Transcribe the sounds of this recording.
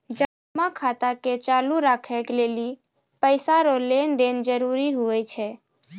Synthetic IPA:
d͡ʒə | makʰat̪aket͡ʃaluɾakʰɛkleli | pəɪsaɾolend̪end͡ʒəɾuɾiɦuɛt͡ʃʰɛ

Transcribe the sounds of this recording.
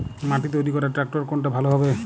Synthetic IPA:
maʈit̪̬ojɾikɔɾaʈɾak̚ʈɔɾkonʈabʱaloɦɔbe

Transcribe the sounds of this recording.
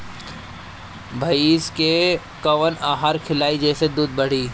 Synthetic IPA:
bʱɐiːske | kɐʋənaːɦaːɾkʰɪlaːid͡ʒɛːsed̪uːd̪̚bɐɽ̤iː

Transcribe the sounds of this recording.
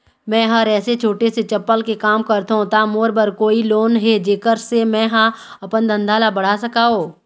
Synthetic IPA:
mɛ̃ːɦɐɾɛːset͡ʃʰoːʈeset͡ʃɐpːəlkekaːmkɐɾt̪ɦõt̪amoːɾbəɾkoːiloːnɦed͡ʒeːkəɾsemɛ̃ːɦãɐpənd̪ə̃nd̪ʱaːlabɐɽ̤asɐkaːɦoː

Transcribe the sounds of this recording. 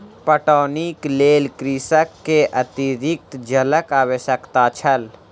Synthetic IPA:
pəʈɔːnikleːlkɾisəkːeʔɐt̪iɾɪk̚t̪d͡ʒɐləkaːwəʃəkt̪at͡ʃʰɐl

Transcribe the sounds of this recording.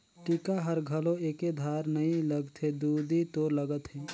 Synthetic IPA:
ʈikaɦəɾɡʱəlõeked̪ʱaɾnəĩləɡt̪ʰɦed̪ud̪it̪oːɾləɡət̪ɦe

